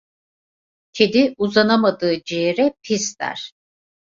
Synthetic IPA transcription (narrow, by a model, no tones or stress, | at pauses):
cʰed̪iuzanamad̪ɯːd͡ʒijeɾɛpʰisd̪æ̰ɾ̥